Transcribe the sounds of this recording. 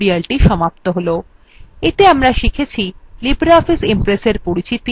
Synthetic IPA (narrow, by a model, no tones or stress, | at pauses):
ɾialʈiʃɔmapt̪oɦolo | et̪eamɾaʃikʰet͡ɕʰilibɾɔfisimpɾeseɾpoɾit͡ɕit̪i